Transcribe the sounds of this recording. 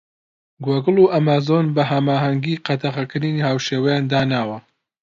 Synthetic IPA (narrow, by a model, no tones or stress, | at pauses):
ɡwɐɡɨluʔɐmaːzonbɐɦɐmaːɦɐŋɡiːqɐt̪ʰaχɐkɨɾinihaːwʃeːwɐjaːnd̪aːnaːwɐ